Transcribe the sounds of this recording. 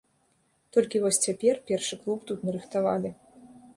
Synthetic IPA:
t̪ɔlʲkʲivɔsʲt͡sʲapʲɛrpʲɛrʂɨklˠupt̪ut̪nɐɾɨxt̪ava̰lʲi

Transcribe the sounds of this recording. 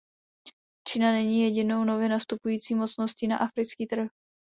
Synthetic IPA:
t͡ʃinanɛɲiːjɛɟɪno̞wno̞vɪnast̪upujiːt͡siːmo̞t͡sno̞sciːna̰ʔafɾɪt͡skiːt̪r̩

